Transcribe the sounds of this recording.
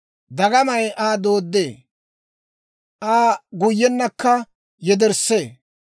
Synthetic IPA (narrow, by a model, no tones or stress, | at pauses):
d̪ɐɡɐmɐjʔaːd̪oːd̪ːḛː | ʔaːɡʊjːɛnːɐkːɐ | jɛd̪ɛɾseː